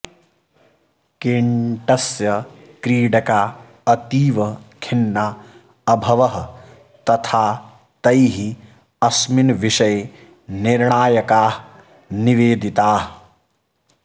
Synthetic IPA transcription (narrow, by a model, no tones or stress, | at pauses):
keɳʈɐsjɐ | kɾiːɖɐka | ɐt̪iːʋɐkʰinːa | ɐbʱɐʋɐɦ | t̪ɐt̪ʰaː | t̪ɐjɦi | ɐsminʋiʃɐj | niɾɳaːjɐkaːɦ | niʋeːd̪ʱit̪aːɦ